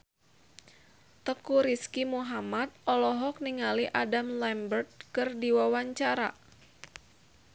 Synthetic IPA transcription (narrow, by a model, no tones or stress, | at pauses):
t̪əkuɾiskimuɦamat̪̚ʔɔlɔɦɔk̚niŋaliʔadamlɛmbərt̪̚kɨrdiwawaɲt͡ʃaɾa̰